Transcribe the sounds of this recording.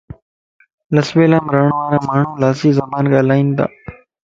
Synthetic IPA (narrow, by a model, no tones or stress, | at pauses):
ləsʋeːlãːmɾəːɳʋaːɾãːmaːɳũːlaːsiːzəmaːnɠaːlaːĩːnd̪a̰ː